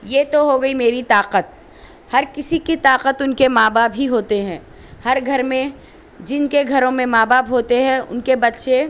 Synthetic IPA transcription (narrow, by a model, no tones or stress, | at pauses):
jeːt̪oɦoɡɐimeːɾit̪aːqət̪̚ | hɐɾkɪsikit̪aːqət̪ʊnkemaːbaːpɦiɦoːt̪eɦɛ̃ː | hɐɾɡʱɐɾmẽ | d͡ʒɪnkeɡʱɐɾõmẽmaːbaːpɦoːt̪eɦɛ̃ʊ̰nkebɐt̪ːʃe